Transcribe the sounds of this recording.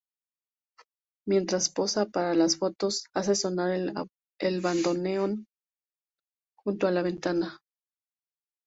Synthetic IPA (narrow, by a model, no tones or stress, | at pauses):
mje̞nt̪ɾaspo̞sapaɾalasfo̞t̪o̞sas̬e̞so̞naɾ | elβand̪o̞neon | xunt̪oalaβ̞e̞nt̪ana